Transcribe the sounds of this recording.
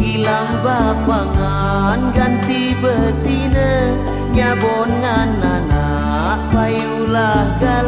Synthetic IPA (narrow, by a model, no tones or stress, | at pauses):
ilahbapaŋa | nɡant̪ibət̪inə | ɲabɔnŋanːana | ʔbai | ulahɡa